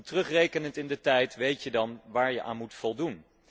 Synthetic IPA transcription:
trɵχrejkənəntɪndətɛjtʋejtjədɑnʋaːɹjəʔa̰ːnmutfɔlˠdun

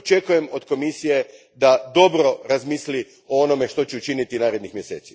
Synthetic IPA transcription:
ot͡ʃe̞kuje̞mo̞d̪ko̞misije̞ | d̪ad̪o̞bɾo̞ɾazmiːsli | oono̞me̞ʃt̪o̞t͡ɕeut͡ʃinit̪inaːɾe̞d̪nixmje̞se̞̰ːt̪si̥

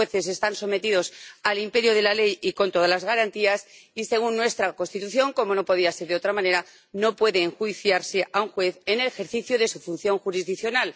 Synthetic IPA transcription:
eθe̞s̬e̞st̪anso̞me̞t̪ið̞o̞salimpe̞ɾjoð̞e̞lale̞jiko̞nt̪oðalazɣaɾant̪iasise̞ɣ̞unːwe̞st̪ɾako̞nst̪it̪uθjo̞ŋko̞mo̞no̞po̞ðiase̞ɾðeo̞t̪ɾamãne̞ɾa | no̞pwe̞ðeːŋxuiθjaɾse̞ʔauŋxwe̞θene̞lexe̞ɾθiθjoðe̞sufun̟θjo̞ŋxuɾizðikθjo̞nal

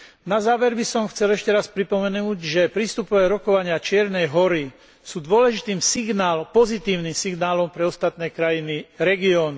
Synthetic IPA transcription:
nazaːʋɛɾbisɔmxt͡sɛlɛʃcɛɾaspɾipɔmɛnuːɟʒɛpɾist̪upɔʋɛːɾɔkɔʋaɲɪat͡ʃɪɛɾnɛjɦɔɾi | suːd̪ʊɔlɛʒit̪iːmsiɡnaːlpɔzit̪iːʊnimsiɡnaːlɔmpɾɛɔst̪at̪nɛːkɾajiniɾɛɡiɔːn

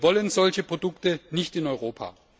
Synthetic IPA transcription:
vɔlənzɔlçəpʁ̥odʊktənɪçtɪnɔʏʁoːpʰa̰ː

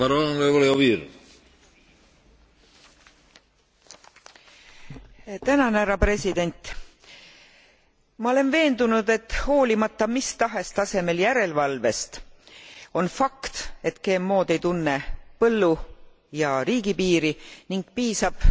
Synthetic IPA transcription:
ɑɾoepoljoviːɾ | t̪ænɑnæɾɑpre̞sid̪̥e̞nʲt̪ˑ | mɑo̞le̞nve̞ːnd̪unud̪e̞t̪ːˑho̞ːlimɑt̪ːˑɑmist̪ɑɦe̞st̪ɑse̞me̞ljæɾe̞lvɑlve̞st̪ | o̞nfɑkt̪e̞t̪ke̞ːmːo̞ːd̪e̞jt̪unːe̞pɤlːu | jɑɾiːɡ̥ipiːɾiniŋɡ̥piːsɑb̥

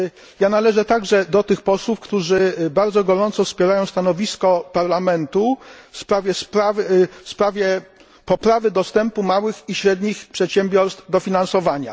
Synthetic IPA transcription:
janalɛʐɛt̪aɡʐɛd̪ɔt̪ɘxpɔswufkt̪uʐɘbaɾd̪zɔɡɔɾɔnt̪sɔfspʲjɛɾajɔ̃w̃st̪anɔvʲiskɔpaɾlamɛnt̪ufspɾavʲjɛspɾavfspɾavʲjɛ | pɔpɾavɘd̪ɔst̪ɛmpumawɘxiɕɾɛd̪ɲixpʂɛt̪ɕɛmbʲjɔɾst̪d̪ɔfʲinansɔvaɲa̰

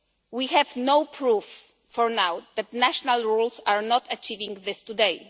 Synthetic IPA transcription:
wihɛvnowpʰɹufː | ɔɹnawðæt̪næʃɔnalɹulsaɹnɔtʰat͡ʃivĩŋðɪstudej

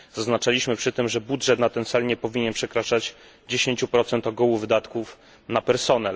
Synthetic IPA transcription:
z̥aznat͡ʂalʲiɕmɘpʂɘt̪ɘmʐɛbudʐɛt̪nat̪ɛnt̪salɲɛpɔvʲiɲɛnpʂɛkɾat͡ʂad͡ʑ | d͡ʑeɕeɲt͡ɕupɾɔt̪sɛnt̪ɔɡɔwuvɘd̪at̪kuf | napɛɾsɔnɛl

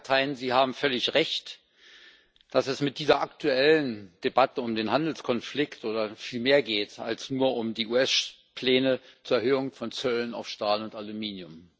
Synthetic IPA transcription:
tʰaɪənziːhaːbm̩fœlɪçʁɛçt | d̥asɛsmɪt̚d̥iːzɐʔaktʰuɛlənd̥ebatəʊmdeːnhandl̩skʰɔnflɪktʔoːdɐfiːlmeːɐɡeːta̰lsnuːɐʔʊmdiːʔuːɛs | pʰl̥ɛːnət͡suːɐɛɐɦøːʊŋfɔnt͡sœləna̰ʊfʃtaːlʊntalumiːnjʊm

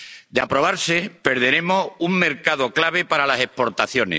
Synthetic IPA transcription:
d̪ea̰pɾo̞β̞aɾse̞pe̞ɾðe̞ɾe̞mosuŋme̞ɾkaðo̞klaβ̞e̞paɾalase̞hpo̞ɾt̪aθjo̞nḛs

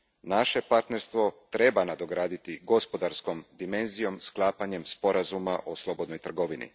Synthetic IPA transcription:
naʃe̞paɾt̪ne̞ɾst̪ʋo̞t̪ɾe̞banad̪o̞ɡɾaːd̪it̪iɡo̞spo̞d̪aɾsko̞md̪ime̞nzijo̞msklˠaːpaɲe̞mspo̞ɾazumaʔoslˠo̞bo̞d̪nojt̪r̩ɡoʋinḭ

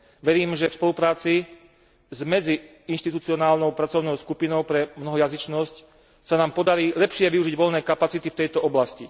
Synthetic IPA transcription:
ʋɛɾiːmʒɛfspɔlupɾaːt͡si | zmɛd͡zi | inʃt̪it̪ut͡siɔnaːlnɔʊpɾat͡sɔʊnɔʊskupinɔʊpɾɛmnɔɦɔjazit͡ʃnɔsc | sanaːmpɔd̪aɾiːlɛpʃɪɛʋiuʒiɟʋɔlnɛːkapat͡sit̪ift̪ɛjt̪ɔɔblasci

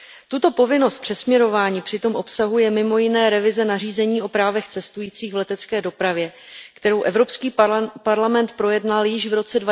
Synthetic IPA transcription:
t̪ut̪o̞po̞vɪno̞st̪̚pr̝̥ɛsmɲɛɾo̞vaːɲiːpr̝̥ɪt̪o̞mʔo̞psaɦujɛmɪmojɪnɛːɾɛvɪzɛnariːzɛɲiːʔo̞pɾaːvɛxt͡sɛst̪ujiːt͡siːɣvlɛt̪ɛt͡skɛːdo̞pɾavjɛ | kt̪ɛɾo̞wʔɛvɾo̞pskiːpaɾlamɛnt̪̚pɾo̞jɛdnaljɪʃvɾo̞t͡sɛdva

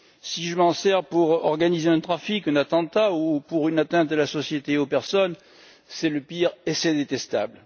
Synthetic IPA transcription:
siʒəmɑ̃sɛʁpuʁɔʁɡanizeɛ̃t̪χafikɛ̃nat̪ɑ̃t̪aupuʁynat̪ɛ̃t̪alasɔsjet̪eopɛʁsɔn | sɛləpiʁesɛd̪et̪ɛst̪abl

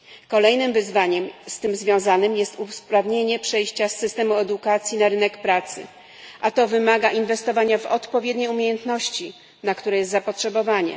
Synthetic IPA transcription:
kɔlɛjnɘmvɘzvaɲɛmst̪ɘmzvʲjɔ̃w̃zanɘmjɛst̪uspɾavɲeɲɛpʂɛjɕt͡ɕasːɘst̪ɛmuɛd̪ukat̪sʲjinaɾɘnɛkpɾat̪sɘ̰ | ʔat̪ɔvɘmaɡaʔinvɛst̪ɔvaɲavɔt̪pɔvʲjeɛd̪ɲejumʲejɛnt̪nɔɕt͡ɕi | nakt̪uɾɛjɛst̪zapɔtʂɛbɔvaɲɛ̰

